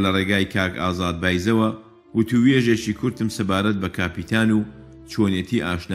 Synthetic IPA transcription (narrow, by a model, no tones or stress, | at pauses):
lɐreɡaːjkʰaːka̰ːzaːd̪̚baːjzɐwɐ | wʊt̪uweʒet͡ʃikʰʊɾt̪ɨmsɐbaːɾɐt̪̚bɐkʰaːpit̪ʰaːnuː | t͡ʃʰoːnjet̪ʰiʔaːʃna